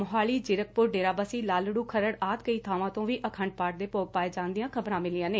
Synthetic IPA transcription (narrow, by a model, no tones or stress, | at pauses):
mʊɦaːliːd͡ʒɪɾək̚pʊɾɖeːɾaːbasiːlaːlɽuːkʰəɾəɽaːt̪kəiːt̪ʰaːʋãːt̪õːʋiːʔəkʰə̃ɳɖ̚paːʈ̚d̪eːpoːɡ̚paːeːd͡ʒãːnd̪ijãːkʰəbɾãːmɪlɪjãːneː